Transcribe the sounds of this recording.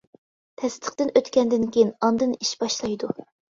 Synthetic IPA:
t̪ʰɛst̪ʰə̥χt̪ɨnøt̪kʲɛnd̪ɪnkʲejinɑnd̪ɨniʃbɑʃlˠɑjd̪u

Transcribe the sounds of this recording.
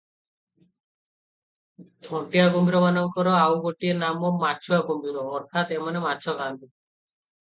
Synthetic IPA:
d̪ʱɔɳʈiaɡombiɾɔmanɔŋkɔɾɔawɡoʈienamɔmat͡ʃʰuaɡombiɾɔːɾt̪ʰat̪emanemat͡ʃʰɔkant̪i

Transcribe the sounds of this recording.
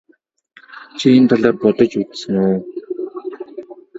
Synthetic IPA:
t͡ɕʰient̪ʰaɮaːrpɔt̪ɞ̆t͡ɕut͡ssɘ̆noː

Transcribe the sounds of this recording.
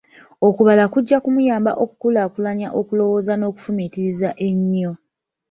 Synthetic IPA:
okuβalakuɟːakumujaːmba̰ʔo̞ku̥kulakulaɲaʔo̞kulo̞wo̞ːzano̞ːku̥fumitiɾizaʔeɲːo

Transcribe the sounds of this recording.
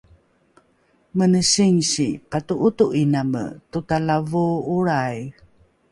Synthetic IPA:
mənəɕiŋɕipatuʔutuʔinamə̰tutalavuuɾaj

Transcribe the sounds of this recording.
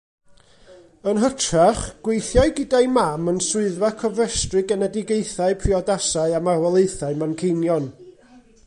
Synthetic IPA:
ənɦətʰraχɡ̥wejθjaɨɡɪdaɨmamənsʊɨðvakʰɔvrɛstrɨɡɛnɛdɪɡeɨθaɨpʰriɔdasaɨamarwɛlˠejθaɨmankʰejnjɔn

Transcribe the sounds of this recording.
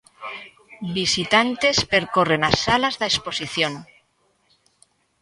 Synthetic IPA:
bisit̪ant̪e̞spe̞ɾko̞re̞nasalazðaespo̞siθjo̞n

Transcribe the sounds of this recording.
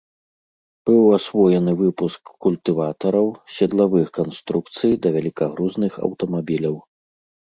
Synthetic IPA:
b̥ɨwasvɔjɛnɨvɨpuskːulʲt̪ɨvat̪ɐɾɐwsʲɛd̪lˠavɨxkanst̪ɾukt̪sɨjd̪ɐvʲɛlʲikaɣɾuznɨxɐ̰wt̪ɐmabʲilʲɐw

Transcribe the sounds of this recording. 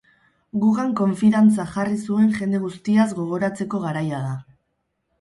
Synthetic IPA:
ɡuɣaŋko̞ɱfiɾant͡saxarisue̞ŋʝe̞nd̪e̞ɣust̪iazɡo̞ɣ̞o̞ɾat͡se̞ko̞ɣaɾajaða

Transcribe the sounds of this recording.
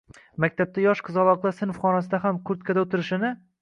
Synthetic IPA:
makʲt̪ʰap̚t̪ʰajɒʃqʰɨzɒlˠɒqlˠasɪnfχɒnasɪd̪aɦamkʰʊɾt̪kʰʲad̪aɵt̪ʰɪɾɪʃɪnɪ

